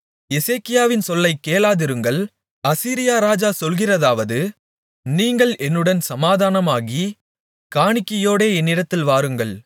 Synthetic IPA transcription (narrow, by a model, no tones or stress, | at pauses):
ɛseːkːɪjaːʋɪnsɔlːɐɪkːeːlaːðɪɾɯŋɡɐɭ | ɐsiːɾɪjaːɾaːd͡ʒaːsɔlɣɪrɐðaːʋɐðɯ | niːŋɡɐɭʔɛnːɯɽɐnsɐmaːðaːnɐmaːɣi | kaːɳɪkːɐjoːɽeːɛnːɪɽɐt̪ːɪlʋaːɾɯŋɡɐɭ